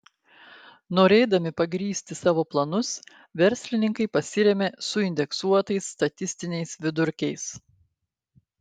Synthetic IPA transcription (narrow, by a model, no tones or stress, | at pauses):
noːɾʲeːd̪ɐmʲɪpɐɡɾʲiːsʲt̪ʲɪsɑːʋoːplˠɐnʊs | ʋʲɛɾʲsʲlʲɪnʲɪŋkɐɪpɐsʲɪɾʲɛmʲeːsʊɪnʲd̪ʲɛksuɔt̪ɐɪsːt̪ɐt̪ʲɪsʲt̪ʲɪnʲɛɪsʋʲɪd̪ʊɾʲkʲɛɪs